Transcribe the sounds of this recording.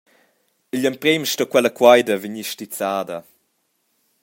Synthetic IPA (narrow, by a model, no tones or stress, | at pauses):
iʎəmpɾemʃtɔkwɛləkwajdɐvəɲiʃtit͡saːdɐ